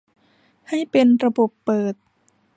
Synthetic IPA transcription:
ha˥˩jpe˧nɾa˧bo˨˩pːɤː˨˩t̪̚

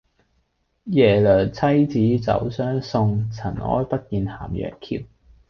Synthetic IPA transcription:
jɛː˨˩lœː˨˩t͡sʰɐ˥jt͡siː˨˥t͡sɐ̰˨˥wsœː˥ŋsʊ˧ŋt͡sʰɐ˨˩nʔɔ̰ː˥jpɐ˥t̚kiː˨˧nhaː˨˩mjœ̰ː˨ŋkʰiː˧p̚

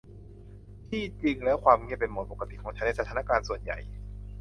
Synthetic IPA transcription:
t̪ʰiː˥˩t͡ɕi˧ŋlɛ˦˥wkʰwaː˧mŋi˥˩˨pe˧nmo˨˩t̪̚po˨˩kːa˧t̪i˨˩kʰɔː˩˦ŋt͡ɕʰa˦˥na˧˩sa˦t̪ʰa˧˦na˦˥˩kaː˧nsu˨˩ənja̰˨˩j

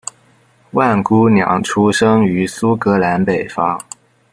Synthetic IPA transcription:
wa˥˩nku˥njɑ̰˨˩ŋʈ͡ʂʰu˥ʂɤ˥ŋy˧˥su˥kɤ˧˥la˧˥npe˨˩ɪfɑ˥ŋ

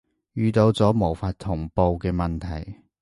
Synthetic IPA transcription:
jyː˨˧t̪o˧wt͡sɔː˨˥mo˨˩wfaː˧t̚t̪ʰʊ˨˩ŋpo˧wkɛː˧mɐ˨nt̪ʰɐ˨˩j

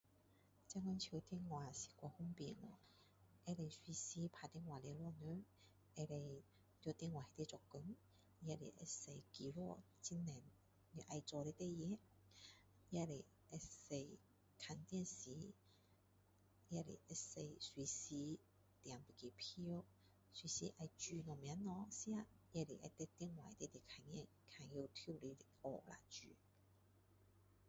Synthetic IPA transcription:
t͡sa˥ŋɔ˧˥nt͡ɕʰi˧wt̪i˥˧ŋŋwa˨si̥˨˩kʷɔ˧hʊ˥ŋpi˧ŋɔ˧˨ | ɛ˧le˧jswi˧si˧˦pʰa˧t̪i˧˥˧ŋwaː˨lɛ˧lɔ˥˨nø˧˦ | ɛ˧le˧ | t̪ɔ˧t̪i˥˧ŋwaː˨he˧t̪ɛ˧t͡sɔ˨˧kːu˧˦n | ja˧˥lḛ˨ʔḛ˧se˧jki˧lɔ˥˧ | t͡si˧˥nːɛ˨˩n | ni˧˨ʔa˧jt͡sɔ˧le˧t̪ɛ˥˧jɛ˧˦ | ja˧le˨ | ɛ˧se˧˩j | kʰa˧nt̪jɛ˥˧˨nsi˨˦ | ja˧lḭ˨ʔse˧˩jswi˨˧si˧˦ | t̪ja˨˩ŋpu˨˧ki˨pʰi˧o˦˥ | swi˧˦si˧ʔa˧jt͡ɕy˧nɔ˨˩mja˨˦nɔ˧sja˥˧ | ja˧li˨ʔɛ˧t̪ɛ˥˧t̪i˥ə˨ŋwa̰˨jt̪e˥˧˨t̪i˨kʰa˧nɲɛ˥˧˨nkʰa˧˩ŋji˧˨t̪ʰju˥˧˨li˧˦li˧ɔ˧˩la̰˨t͡ʃy̰˨

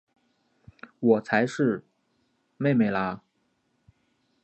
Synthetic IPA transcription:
wɔ˨˩t͡sʰa˧˥ɪʂɻ̩˥˧ | me˥˩ɪme˨˩ɪla˧˥

